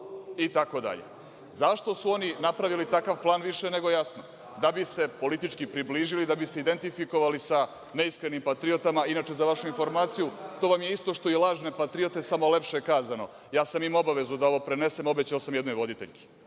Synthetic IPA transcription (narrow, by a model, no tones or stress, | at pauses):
it̪ako̞d̪a̰ʎḛ | zaʃt̪o̞suo̞ninapɾaʋilit̪akaʋplˠaːnʋiʃene̞ɡo̞jasno | d̪abise̞po̞lit̪it͡ʃkipɾibliːʒilid̪abise̞id̪e̞nt̪ifiko̞ʋalisa | neiskɾenimpat̪ɾiot̪amainaːt͡ʃe̞zaʋaʃuinfo̞ɾmaːt̪sijut̪o̞ʋamje̞ist̪o̞ʃt̪o̞jelˠaːʒne̞pat̪ɾio̞t̪e̞samole̞pʃekaːzano̞ | jaːsamimo̞baʋe̞zud̪ao̞ʋo̞pɾe̞ne̞se̞mo̞bet͡ɕaosamjed̪no̞jʋo̞d̪it̪eʎki̥